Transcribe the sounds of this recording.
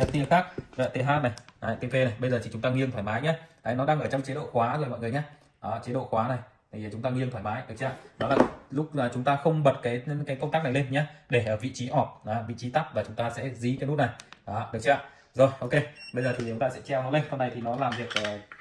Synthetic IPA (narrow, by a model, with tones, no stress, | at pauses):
ə˨˩t̪i˧ə˧xaː˦˥k̚əː˨˩t̪e˨˦ɦaː˦˥t̚na˨˩jʔa˨t̪e˧fe˧na˨˩jɓə˧jzəː˨˩t̪ʰi˨˩t͡ɕʊ˨˦ŋ͡mt̪aː˧ŋi˧əŋt̪ʰaː˧˩maː˨˦jɲaː˨˦ʔə˨˦jnɔ˨˦ɗaː˧ŋʔəː˧˩t͡ɕɔ˧wŋ͡mt͡ɕie˨˦ɗo̰˧˨xwaː˨˦zo˨˩jmɔ̰˧˨ŋ˨ə˩ɲaː˨˦ | ʔaː˨˩t͡ɕe˨˦ɗo̰˧˨xwaː˨˦na˨˩j | t̪ʰi˨˩˨t͡ɕʊ˨˦ŋ͡mt̪aː˧ŋi˧əŋtʰwaː˧˩jmaː˨˦jɗɨ˨˩əkt͡ɕaː˧˨nɔ˨˦laː˨˩lʊ˦˥k͡p̚aː˨˩t͡ɕʊ˨˦ŋ͡mt̪aː˧xə˧wŋ͡mɓə˨˩t̚kaː˨˦jkaː˨˦jkə˧wŋ͡mt̪aː˦˥n˨˩jle˧nɲaː˧˦ɗe˧˩ʔəː˧˩vḭ˧˨t͡ɕi˨˦ʔɔ˨˩p̚ʔaː˨˩vḭ˧˨t͡ɕi˨˦t̪a˦˥p̚vaː˨˩t͡ɕʊ˨˦ŋ͡mt̪aː˧sɛ̰˧˥zi˨˦kaː˨˦jnu˦˥t̚na˨˩jʔaː˨˩ɗɨ˨˩ək̚t͡ɕaː˧˩ | zo˨˩jʔo˧ke˧ɓə˧jzəː˨˩i˨˩t͡ɕʊ˨˦ŋ͡mt̪aː˧sɛ̰˧˥t͡ɕɛ˧˩wnɔ˨˦le˧nsə˧wna˨˩jt̪ʰi˨˩nɔ˨˦laː˨˩mvi˨˩ək̚ː